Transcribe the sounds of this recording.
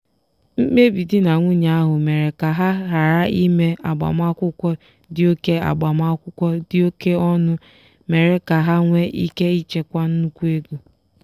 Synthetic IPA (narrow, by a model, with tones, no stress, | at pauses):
m̩˦me˦bi˨dɪ˦na˨ŋʷʊ˦ɲa˦a˦ɦʊ˨me˨ɾe˨ka˨ɦa˦ɦa˨ɾa˦i˦me˦a˨ɡ͡ba̰˨m˦a˦kʷʊ˦kʷɔ˦ | dɪ˦o˦ke˦a̰˨ɡ͡ba˨m˦a˦kʷʊ˦kʷɔ˦dɪ˦o˦ke˦ɔ˦nʊ˦ | me˨ɾe˨ka˨ɦa˦ŋʷe˦ʔi˦ke˦i˦t͡ʃe˦kʷa˦n̩˦kʷu˦e˦ɡu˨